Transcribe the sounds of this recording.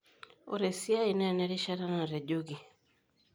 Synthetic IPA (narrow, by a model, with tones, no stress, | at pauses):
o̰˨ɾɛ˨si˦a˦i˨nɛ˦˨nɛ˨˦ɾi˦ʃa˦ɾa˦na˨ɾɛ˨ɟo˦ɡi˨